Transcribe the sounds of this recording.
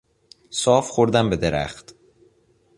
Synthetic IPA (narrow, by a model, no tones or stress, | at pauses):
sɒːfxoɾd̪æmbe̞d̪eɾæ̰χt̪